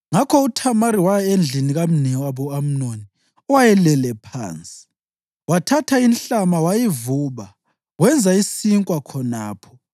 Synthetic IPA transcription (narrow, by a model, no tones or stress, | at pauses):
ŋakʰɔutʰamaɾiwajaend͡ɮʱiniɣam̩niaβuam̩noni | ɔwajɛlɛlɛpʰa̰ːnt͡sʼi̥ | watʰatʰainɬamawajivuβa | wɛnd͡zʱaisiŋkʼwakʰɔna̰ːpʰɔ̥